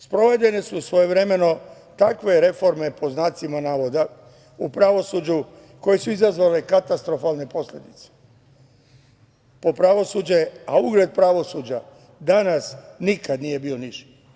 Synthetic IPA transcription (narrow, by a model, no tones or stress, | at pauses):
spɾo̞ʋe̞de̞ne̞susʋo̞je̞ʋɾe̞me̞no̞ | t̪akʋe̞ɾe̞fo̞ɾme̞pʰo̞znaːt̪simanaːʋo̞d̪a | upɾaʋo̞sud͡ʑu | ko̞je̞suizazʋale̞kat̪ast̪ɾo̞falˠne̞po̞sʎʲe̞d̪it̪se̥ | popɾaʋo̞sud͡ʑeauɡɾed̪̚pɾaʋo̞sud͡ʑa | d̪anasnikad̪nije̞bioniʃi̥